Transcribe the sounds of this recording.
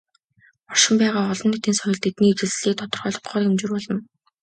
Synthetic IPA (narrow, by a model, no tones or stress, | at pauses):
ɔʃɪ̆mpæːʁaːɔɮɞ̆nːet̪iːnsœjɪ̆ɮt̪ʰet̪niːet͡ɕɪ̆ɮɮiːkt̪ʰɔt̪ɞ̆rχœːɮɞ̆χɢɔːremt͡ɕurpɔɮɞ̆n